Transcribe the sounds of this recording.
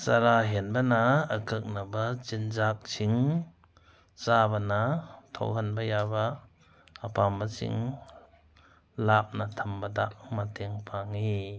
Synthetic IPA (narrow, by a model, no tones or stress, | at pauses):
saɾaɦenbɐnaːkʰɯk̚nabat͡ʃind͡ʒak̚sʰiŋ | t͡ʃabɐnatʰɔ̰wɦanbɐjabaː | pambasḭŋ | lap̚natʰɐmbadaʔmatʰeŋpʰaŋi